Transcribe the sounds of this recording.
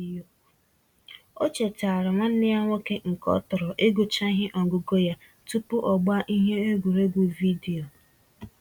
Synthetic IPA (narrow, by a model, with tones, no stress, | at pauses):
o˦t͡ʃe˨ta˨ɾa˨ŋʷa˦n̩˦nɪ˦a˦ŋʷo˦ke˦ŋ̩˨kɔ̰˦tʊ˨ɾɔ˨ʔe˦ɡu˨t͡ʃa˦ɦɪ˦ʔɔ˨ɡʊ˨ɡo˦ja˦ | tu˦pʊ˦ʔɔ˨ɡ͡ba˦ʔi˦ɦe˦e˦ɡʷu˨ɾe˦ɡʷu˨vi˦di˨o˨